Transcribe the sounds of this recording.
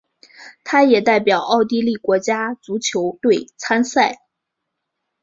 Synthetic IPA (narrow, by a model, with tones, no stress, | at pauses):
t̪ʰa˥jɛ˨˩t̪a˥˩ɪpjɑ˨˩ʊʔɑ˥˧ʊt̪̬i˥˧li˥˩kwɔ˧˥t͡ɕja˥t͡su˧˥t͡ɕʰjo˧˥ʊt̪we˥˩ɪt͡sʰa˥nsa˥˩ɪ